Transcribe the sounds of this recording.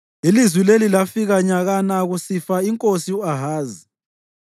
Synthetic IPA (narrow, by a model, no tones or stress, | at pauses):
ilizwilelilafiɣaɲaɣanaɣusifaiŋkʼosiuaɦaːzi